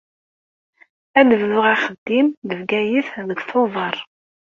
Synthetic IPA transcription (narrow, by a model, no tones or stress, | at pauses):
ænəvlʊʁæχəd̪ːimðəvɡæjiθðəɡθoðˤɑɾˤ